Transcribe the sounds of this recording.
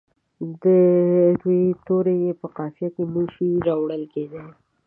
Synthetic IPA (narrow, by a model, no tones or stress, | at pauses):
d̪əd̪wit̪oɾejepəqɑfjakemuʃiɾɑwɽəlked̪a